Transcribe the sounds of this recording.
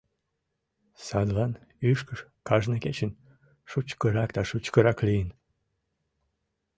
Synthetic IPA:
sɑd̪lɑnyʃkəʃkɑʒnəket͡ɕən | ʃut͡ɕkəɾɑkd̪ɑʃut͡ɕkəɾɑklijən

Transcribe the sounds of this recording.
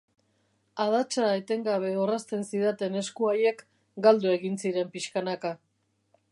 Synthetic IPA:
að̞at͡ʃaet̪e̞ŋɡaβ̞e̞orast̪e̞nsiðat̪e̞ne̞skuaje̞k | ɡald̪ue̞ɣinsiɾe̞mpiʃkanaka

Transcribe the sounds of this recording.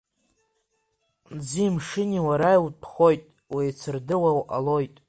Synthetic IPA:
d͡zimʂɨniwaɾaiwpʰχo̞jtʼ | wijt͡sʰɨrdɨwawʔa̰lo̞jtʼ

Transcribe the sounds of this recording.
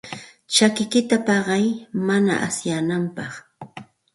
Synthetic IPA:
t͡ʃakɪkɪt̪apɑɢɑjmana̰ʔa̰sjanampɑχ

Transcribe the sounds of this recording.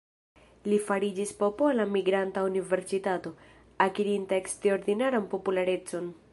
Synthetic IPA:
lifaɾid͡ʒispo̞po̞lamiɡɾantaunive̞ɾsitato̞ | akiɾintaeksteo̞ɾd̪inaɾanpo̞pulaɾe̞t͡so̞n

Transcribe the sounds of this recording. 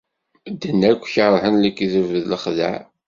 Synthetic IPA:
d̪ːənːækʷːçəɾˤhənlikːiðəvəðləχðə̰ʕ

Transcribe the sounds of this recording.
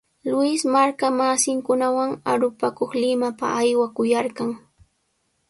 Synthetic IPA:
lʊɪsmaɾkamasɪŋkʊnawaŋa̰ɾʊpakoχlɪmapa̰ːjwakʊjaɾkɑŋ

